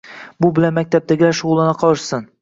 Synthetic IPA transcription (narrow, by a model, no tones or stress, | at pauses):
bʊbɪlanmak̚ʲt̪ʰap̚d̪aɡʲɪlaʃʊʁʊlˠɪnɪqʰɒlˠɪʃsɪn